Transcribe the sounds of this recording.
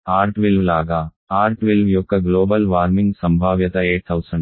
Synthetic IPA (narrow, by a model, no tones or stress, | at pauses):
aːɾʈʋilʋlaːɡaː | aːɾʈʋilʋjɔkːɐɡloːbɐlʋaːɾmiŋɡsɐmbʱaːʋjɐt̪ɐeːʈ̚t̪ʰɐwsɐɳɖ